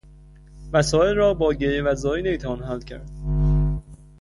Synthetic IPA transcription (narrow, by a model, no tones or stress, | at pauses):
mæsɒːelrɒːbɒːɟeɾevæzɒːinemiːt̪ʰævɒːnɦælːcʰæ̰ɾd̪̥̚